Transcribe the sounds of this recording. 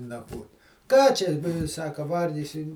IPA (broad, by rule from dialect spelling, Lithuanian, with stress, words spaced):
nɐkˈʋoːt ˈkɑː t͡ʃʲɛ ʋʲɪ ˈsɑːkɐ ˈʋɐrʲɡʲɪsʲɪm